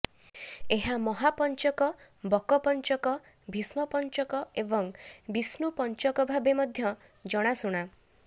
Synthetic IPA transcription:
eɦamɔɦapɔnt͡ʃɔkɔ | bɔkɔpɔnt͡ʃɔkɔ | bʱismɔpɔnt͡ʃɔkɔebɔŋbisnupɔnt͡ʃɔkɔbʱabemɔd̪ʱjɔ | d͡ʒɔɽ̃asuɽ̃a

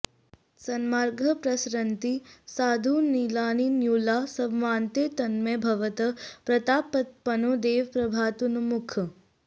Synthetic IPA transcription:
sɐnmaːɾɡʱɐpɾɐsɾɐnt̪isaːd̪ʱunilaːninjuːlaːsɐʋmaːnt̪eːt̪ɐnmebʱɐʋɐt̪ɐpɾɐt̪aːpɐt̪̚pɐnoːd̪eːʋpɾɐbʱaːt̪unɐmukʰɐ

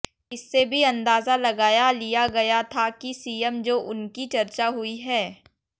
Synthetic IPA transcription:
ɪsːebʱiɐ̃nd̪aːzalɐɡaːjalijaɡɐjat̪ʰakisiːjəmd͡ʒoːʔʊnkit͡ʃɐɾt͡ʃaɦʊiɦɛː

